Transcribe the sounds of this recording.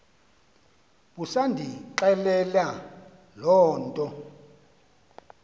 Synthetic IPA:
ɓusandʱiǁɛlɛla | lɔːntʼɔ

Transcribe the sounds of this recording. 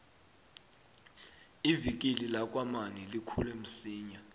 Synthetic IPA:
ivik̬ʼililak̬ʼwamanilikʰulem̩siːɲa

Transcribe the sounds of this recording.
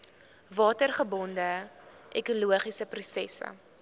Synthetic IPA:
vɑːtərχəbɔndə | ʔɛkuluəχisəprusɛsə̰

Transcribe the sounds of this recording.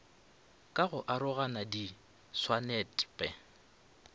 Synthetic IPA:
kʼaɣʊʔaɾʊɣanadi | swanɛtʼpʼɛ

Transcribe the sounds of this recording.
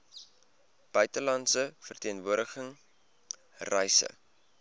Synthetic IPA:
b̥œɥtəlɐntsəfərtiənvuəɾdəχəŋ | rɛjsə̰

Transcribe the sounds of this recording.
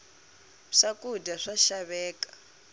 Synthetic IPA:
ʂakudaʂaʃaβɛːkḁ

